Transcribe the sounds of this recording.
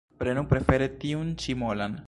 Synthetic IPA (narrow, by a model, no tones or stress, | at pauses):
pɾenupɾe̞fe̞ɾet̪iunt͡ʃimolan